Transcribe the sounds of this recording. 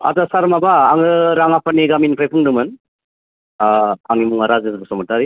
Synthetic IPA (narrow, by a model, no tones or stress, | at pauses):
a̰zasaɾmabaːŋɯɾaŋapaniɡaminpʰajpʰuŋdɯmɯn | aŋimuŋaɾazɐsɯɯsɔmɔtaɾi